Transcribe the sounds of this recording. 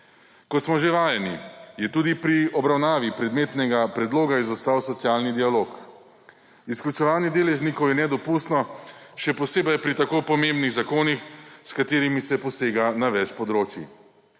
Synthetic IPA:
kɔt̪smɔʒeʋaːjɛnijɛt̪uːd̪ipɾiɔbɾawnaːʋipɾɛd̪meːt̪nɛɡapɾɛd̪loːɡaizɔst̪aːwsɔt̪siaːlnid̪ialoːk | isklʲut͡ʃɛʋaːnjɛd̪eːlɛʒnikɔwjɛnɛd̪ɔpuːst̪nɔʃɛpɔseːbɐjpɾit̪akoːpɔmembniɣzakoːnixskat̪eːɾimisɛpɔseːɡanaʋɛt͡ʃpɔd̪ɾoːt͡ʃjḭ

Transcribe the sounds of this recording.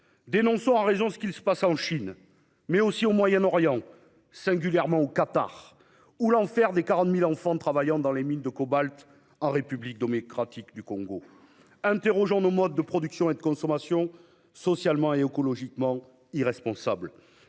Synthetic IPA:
d̪enɔ̃sɔ̃ɑ̃ʁezɔ̃sə̥kʲilsə̥pasɑ̃ʃin | mɛosiomwajɛnɔʁjɑ̃ | sɛ̃ɡʲyljɛʁmɑ̃okat̪a̰ʁ | ulɑ̃fɛʁd̪ekaʁɑ̃t̪milɑ̃fɑ̃t̪χavajɑ̃d̪ɑ̃lemind̪əkɔbalt̪ | ɑ̃ʁepyblik̚d̪omɔkχat̪ikd̪ykɔ̃ɡo | ɛ̃t̪eʁɔʒɑ̃nomɔd̪ːəpχɔd̪yksjɔ̃ed̪əkɔ̃sɔmasjɔ̃ | sɔsjalmɑ̃eekɔlɔʒikmɑ̃ | iʁɛspɔ̃sabl

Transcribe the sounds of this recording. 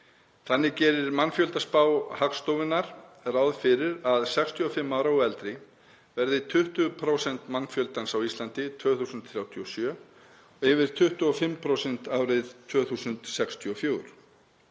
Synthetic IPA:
θanːɪcɛːɾɪɾmanfjœlt̪aspawhakst̪owvɪnːaɾ̥rawðfɪɾɪɾaðsɛkst̪ʰiɔfɪmːaːwɾauɛlt̪ɾɪ | vɛɾðɪt̪ʰʏht̪ʏpʰɾowsɛnt̪manfjœlt̪ansawist̪lant̪ɪt̪ʰvœːθusʏnt̪θɾjawt̪ʰiɔsjœː | ɔɪvɪɾ̥t̪ʰʏht̪ʏɔfɪmːpʰɾowsɛnt̪aːwɾɪðt̪ʰv̥œːθuːsʏnt̪sɛkst̪ʰʏɔfjoːwɾ

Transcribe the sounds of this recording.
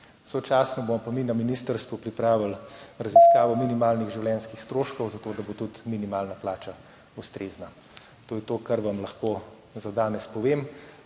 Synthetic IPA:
sɔt͡ʃaːsnɔbomɔpaminaminist̪əɾst̪ʋupɾipɾaːʋilɾɐziskaːʋɔminimaːlniɣʒiwlɛnskixst̪ɾoːʃkɔwzat̪oːd̪abot̪ut̪minimalnaplaːt͡ʃa | ust̪ɾeːzna | t̪oːjɛt̪oːkaɾʋamlaxkoː | zad̪aːnɛspɔʋeːm

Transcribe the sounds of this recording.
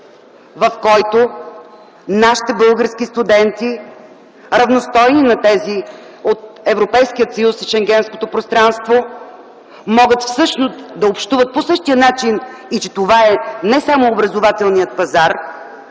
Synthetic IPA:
vɐfkɔjt̪o | naʃi̥t̪ɛbɤlˠɡəɾskist̪ud̪ɛnt̪i | ɾɐvnost̪ɔjninɐt̪ɛzi | ot̪̚ɛvɾopɛjskijət̪sɐjusiʃɛŋɡʲɛnsko̥t̪opɾost̪ɾanst̪vo | mɔɡət̪fsɤʃnost̪d̪ɐopʃt̪uvət̪̚posɤʃt̪ijənat͡ʃinit͡ʃɛt̪ovaɛnɛsamoːbɾɐzovat̪ɛlˠnijət̪̚pɐzaɾ

